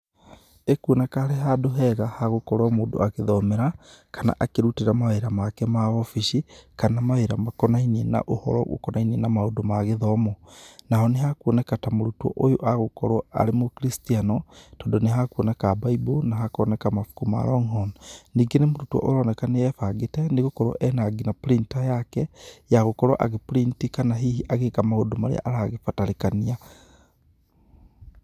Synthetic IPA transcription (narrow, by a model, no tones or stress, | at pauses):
ekuonakaːɾeɦadoɦɛɣahaɣokɔɾwamoːdo̰aɣeðɔmɛɾakana̰ʔakeɾuteɾamaweɾamakɛmaɔfiʃikanamaeɾamakɔnainiɛna̰ʔohɔ̰ɾɔ̰ɣo̰kɔnainienamaodomaɣeðɔmɔnaɦɔneɦakɔnɛkatamoɾutwɔ̰ʔojoʔaɣokɔɾwaa̰ɾemokɾistianɔtɔndɔneɦakuɔnɛkabaibonaɦakɔnɛkamafu̥kuma̰ɾɔŋhɔnːiɡenemoɾutuɔ̰ʔoɾɔnɛkaneɛfaɡetɛneɣokɔɾwɔ̰ʔɛnaɡinapɾintajakɛjaɣokɔɾwa̰ʔaɣepuɾintikanaɦiɦiʔaɣekamahodomaɾḛa̰ʔaɾaːɣefataɾekania